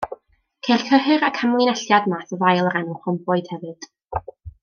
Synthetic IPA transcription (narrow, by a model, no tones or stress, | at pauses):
kʰejr̥kʰəɦɨɾakʰamlˠinɛɬjadmaθɔvajlˠəɾɛnʊχʊmbʊɨd̥hɛvɨd̥